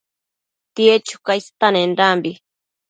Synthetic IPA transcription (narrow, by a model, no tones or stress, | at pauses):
t̪iet͡ʃʊ̥kajst̪anenɾambi